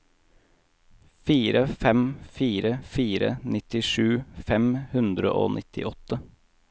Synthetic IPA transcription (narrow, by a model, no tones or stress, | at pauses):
fiːɾəfɛmfiːɾəfiːɾə̰nɪt̪ɪʂʉːfɛmhʉnd̪ɾə̰ʔo̰ːnʔɪt̪ʰɪ̰ʔɔt̪ə